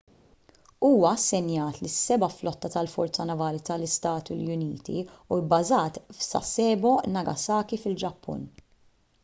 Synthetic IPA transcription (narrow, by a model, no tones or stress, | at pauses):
uːwɐɐsːɛnjɐːt̪lɪsːɛbɐflɔt̪ːɐt̪ɐlfɔɾt͡sːɐnɐvɐːlit̪ɐlɪst̪ɐːt̪ṵljʊniːt̪ḭuɪbːɐzɐːt̪fsɐ̰sɛːbɔnɐɡɐsɐːkifɪld͡ʒɐpːʊ̰n